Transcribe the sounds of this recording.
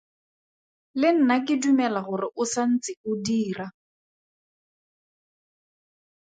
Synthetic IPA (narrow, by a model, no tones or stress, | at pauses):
lɪn̩nakɪdumɛlaɣʊrɪʔʊsan̩t͡sɪkʊdiːra